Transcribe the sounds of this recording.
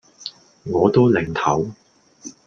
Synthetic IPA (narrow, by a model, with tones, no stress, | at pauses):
ŋɔː˨˧t̪o˥wlɪ˨˩ŋt̪ʰɐ˨˥w